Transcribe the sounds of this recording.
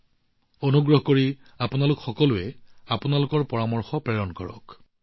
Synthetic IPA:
onuɡɹɔɦɔkoɹi | apunalʊkxɔkɔlʊɛapʊnalʊkɔɹpɔɹamɔɹxɔpɹɛɹɔnkɔ̰ɹɔ̰k

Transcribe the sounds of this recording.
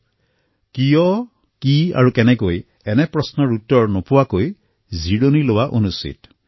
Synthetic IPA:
kijɔ | kia̰ɹukɛnɛkoj | ɛnɛpɹɔsnɔɹutːɔɹnɔpʊwakoj | ziɽonilowaʔonusḭt

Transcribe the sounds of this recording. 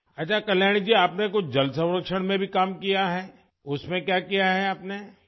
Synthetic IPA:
ɐtːt͡ʃʰakɐljaːɽ̃id͡ʒiaːpnek̬ʊt͡ʃʰd͡ʒɐlsɐ̃w̃ɾəkʃəɽ̃mẽbʱikaːmkijaɦɛː | ʊsmẽkjaːkijaɦɛaːpne

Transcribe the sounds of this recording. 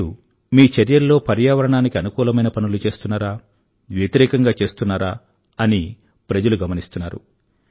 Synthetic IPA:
u | miːt͡ʃɐɾjɐlːo̞ːpɐɾjaːʋɐɾɐɳaːnikiɐnukuːlɐmɐjnɐpɐnulut͡ʃe̞ːst̪unːaːɾaː | ʋjet̪iɾɛːkɐŋɡaːt͡ʃe̞ːst̪unːaːɾaː | ɐni | pɾɐd͡ʒɐluɡɐmɐnist̪unːaːɾṵ

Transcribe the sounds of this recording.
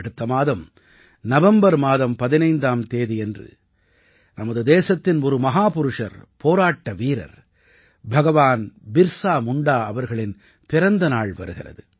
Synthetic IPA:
ɐɽɯt̪ːɐmaːðɐm | nɐʋɐmbɐɾmaːðɐmpɐðɪnɐɪnd̪aːmt̪eːðiɛndrɯ̰ | nɐmɐðɯd̪eːsɐt̪ːɪnɔɾɯmɐɦaːpʊɾɯʂɐ̰ɾpoːɾaːʈːɐʋiːɾɐ̰ɾ | bʱɐɣɐʋaːnbɪɾsaːmʊɳɖaːɐʋɐɾɣɐɭɪn | pɪɾɐnd̪ɐnaːɭʋɐ̰ɾɯɣɪrɐ̰ðɯ

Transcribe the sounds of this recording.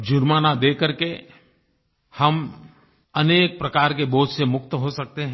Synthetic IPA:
d͡ʒʊɾmaːnad̪eːkəɾke | hɐm | ɐneːk̚pɾɐkaːɾkeboːd͡ʒʱsemʊkt̪ɦosɐk̚t̪eɦɛ̃

